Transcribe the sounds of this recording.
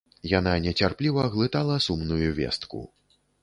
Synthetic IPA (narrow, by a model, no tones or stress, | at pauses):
jananʲɛt͡sʲarplʲivɐɣlˠɨt̪alˠɐsumnujuvʲɛ̰st̪kṵ